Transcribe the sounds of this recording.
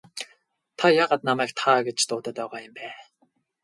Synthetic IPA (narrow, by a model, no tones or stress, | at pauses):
t̪ʰajaʁaːt̪̚namæːk̚t̪ʰaːɡet͡ɕt̪ʊːt̪ə̆ːt̪œʁaːjʊmpæː